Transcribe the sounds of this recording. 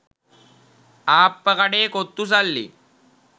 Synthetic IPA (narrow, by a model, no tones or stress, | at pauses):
aːpːɐkɐɖeːkot̪ːus̬ɐlːḭ